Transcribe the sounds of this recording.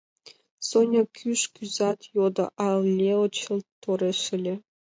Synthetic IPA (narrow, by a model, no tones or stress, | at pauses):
sonʲɤkʲʰyʂkʲyzɑt̪jod̪ɤ̰̆ʔɑllʲːeot͡ɕɤ̆lˠt̪ːoɾʲeʂɘ̆lʲĕ